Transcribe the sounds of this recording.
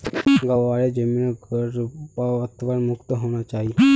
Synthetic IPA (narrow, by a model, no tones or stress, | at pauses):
ɡaʋaɭjad͡ʑəmiːnəɡəɾpaət̪ʋanmukt̪əɦoɳ̃at͡ʃaɦi